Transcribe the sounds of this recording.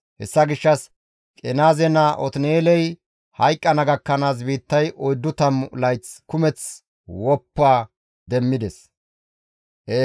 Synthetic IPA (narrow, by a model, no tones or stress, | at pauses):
hɛ̰sːɐɡɪʃːɐs | kʼɛnaːzɛnɐʔɔ̰t̪neːlɛj | hɐjkʼːɐnɐɡɐkːɐnaːs̬biːt̪ːɐjʔɔjd̪ːʊt̪ɐmlɐjt͡skʊmɛt͡s | wɔpːaː | d̪ɛmːɪd̪ɛs | ʔe